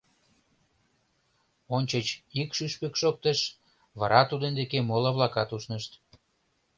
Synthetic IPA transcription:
onʲt͡ɕə̆t͡ɕikʃyʃpekʃok̚t̪eʃ | βɑ̰ɾɑt̪ud̪end̪ekemolɑβlɑkɑt̪uʃnəʃt̪

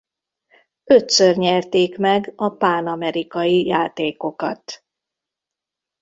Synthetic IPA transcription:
ø̞t̪sørɲɛrt̪eːkmɛɡɒpaːnɒmɛɾikɒjijaːt̪eːko̞kɒt̪

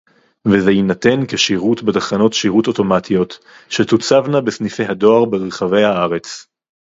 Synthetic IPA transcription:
vezejinate̞nkeʃiʁutbet̪aχano̞tʃiʁuto̞to̞matʰijo̞t | ʃetut͡savnabesnifejhado̞aʁbeʁeχave̞jhaaʁe̞t͡s

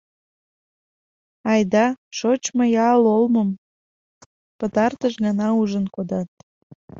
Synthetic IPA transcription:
ɑjd̪ɑʃot͡ɕmojɑlolmə̆m | pət̪ɑrt̪əʃnɑnɑuʒənkod̪ɑt̪̚

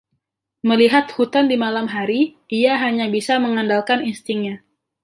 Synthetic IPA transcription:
məliɦat̪̚hut̪andimalamɦaɾiʔiaɦaɲabisaməŋandalkaninst̪iŋɲa

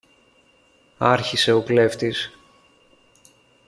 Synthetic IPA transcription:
ɐɾçise̞o̞ple̞ft̪is

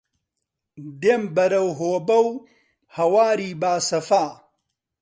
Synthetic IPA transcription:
d̪embɐɾɐwɦoːbɐw | hɐwaːɾiːbaːsɐfaː

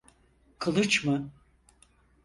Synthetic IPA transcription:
kʰɯlˠɯt͡ʃmɯ

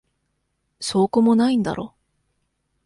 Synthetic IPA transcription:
so̞ːkomonaĩnd̪a̰ɾo̞̰

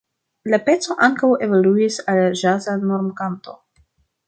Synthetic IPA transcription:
lape̞t͡so̞ʔaŋkawe̞voluisalʒazanoɾmkanto̞

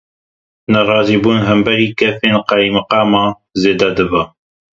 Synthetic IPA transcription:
nɨɾɑːziːbuːnɦɨmbɛɾiːkɛfeːnqɑjmɨqɑːmɑː | zeːd̪ɛd̪ɨbɐ

